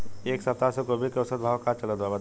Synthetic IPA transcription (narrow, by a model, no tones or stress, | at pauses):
eːksɐp̚t̪asekoːbʱid̪̚keʊsəd̪̚bʱaːʋkat͡ʃɐləd̪abə